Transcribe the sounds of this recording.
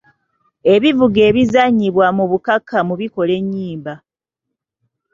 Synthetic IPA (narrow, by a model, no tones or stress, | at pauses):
e̞βivuɡe̞ːβizaɲːiβwamuβukakʰːamuβiko̞le̞ɲːiːmba